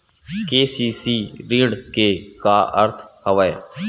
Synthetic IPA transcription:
keːsiːsiːɾĩːɽkeːkaːʔə̰ɾt̪ʰ | həʋaːja̰ː

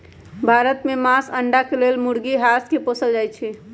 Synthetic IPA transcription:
bʱaɾət̪memasəɳɖakelelmuɽɡiɦaskeposəld͡ʒajt͡ʃʰɛ

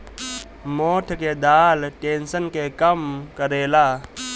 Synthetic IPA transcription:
moːʈʰked̪aːlʈeːnsənkekəmkəɾeːlaː

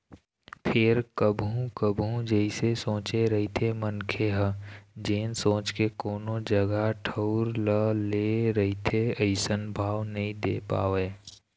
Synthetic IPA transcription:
pʰɪɾkəbʱũkəbʱũd͡ʒəɪsesõːt͡ʃeɾɐɦit̪ʰemənkʰeɦəd͡ʒeːnsõːt͡ʃkekoːnõd͡ʒəɡaʈʰəʊɾləleːɾəɦit̪ʰeəɪsənbʱaːʋnɐɦĩd̪eːpa̰ːʋeː

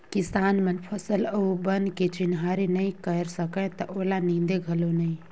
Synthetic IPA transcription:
kɪsaːnmənpʰəsələubənket͡ʃɪnɦaːɾenəĩkəɾsəkɛ̃t̪ɐʔoːlanĩːnd̪eɡʱəlonəĩ

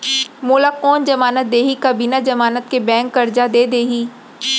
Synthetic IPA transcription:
moːlakɔːnd͡ʒɐmaːnət̪̚d̪eːɦikabinad͡ʒɐmaːnət̪̚kebɛ̃ːŋkːɐɾd͡ʒad̪eːd̪eːɦiː

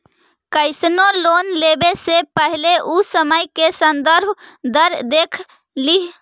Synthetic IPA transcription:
kəɪsnolonlebesepəɦileʔusəməjkesənd̪əɾbʱd̪əɾd̪ekʰ | liɦ

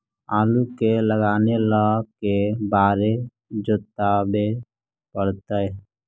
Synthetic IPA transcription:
aːlukeləɡaːneləkebaːɾe | d͡ʒot̪ːabe | pəɽt̪əj

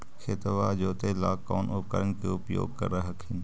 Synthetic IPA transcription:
kʰet̪əʋaːd͡ʒoːt̪elaːkːɔːnʔʊp̚kəɾənkeʊpjo̰ːɡ̚kɐ̰ɾɐɦɐkʰɪn

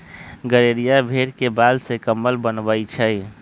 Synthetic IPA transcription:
ɡəɾeɾijabʱeɾkebad̪sekəmːəlbənbəit͡ʃʰəj

